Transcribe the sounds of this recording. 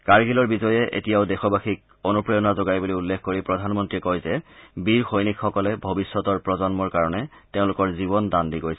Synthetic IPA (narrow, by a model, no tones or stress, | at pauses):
kaɹɡilɔɹbizɔjɛʔḛtijaʊdɛxɔbaxik̚ | onupɹijɔnazoɡajbuliulːekʰkoɹipɹɔdʱanmɔntɹiɛkɔjzɛbiɹxojnikxɔkɔlɛbʱobisːɔtɔɹpɹɔzɔnmɔɹkaɹɔnɛteʊ̃lʊkɔɹzibɔndandiɡojsɛ